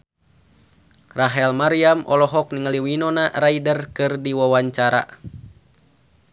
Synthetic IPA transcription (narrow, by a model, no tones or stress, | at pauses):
raɦɛlmaɾiamʔɔ̰lɔɦɔk̚niŋəliwinɔnaraidərkɨrdiwawaɲt͡ʃaɾa̰